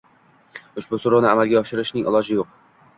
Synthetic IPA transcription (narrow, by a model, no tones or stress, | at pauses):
ʊʃbʊsʊɾanɪamalˠɡʲaɒʃɪɾɪʃnɪŋʔɪ̰lˠɒd͡ʒɪjoq